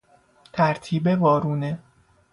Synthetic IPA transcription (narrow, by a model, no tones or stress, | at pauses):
t̪ʰæɾt̪ʰiːbevɒːɾuːne